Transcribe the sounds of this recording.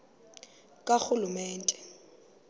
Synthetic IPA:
kʼak͡xʊlumɛːntʼɛ̥

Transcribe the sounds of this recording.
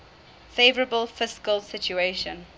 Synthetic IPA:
feɪvəɹəbəlˠfɪskəlˠsɪt͡ʃueɪʃə̃n

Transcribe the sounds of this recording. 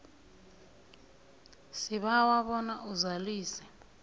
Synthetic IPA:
siɓawaɓɔnaʔuzaliːsɛ̥

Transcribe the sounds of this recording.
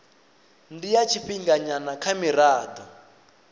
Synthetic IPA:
ndijat͡ʃʰiɸiŋɡaɲanakʰamiraːd̪ɔ

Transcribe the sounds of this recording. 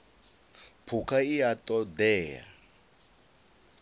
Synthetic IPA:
pʰukʰaijatʼɔd̪ɛːja̰

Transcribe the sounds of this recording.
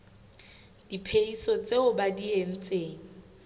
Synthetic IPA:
d̥ipʰeisɔt͡sʼeʊbadien̩t͡sʼeːŋ̩

